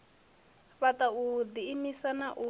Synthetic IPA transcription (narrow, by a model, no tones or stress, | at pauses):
βataud̪iːmisanaʔu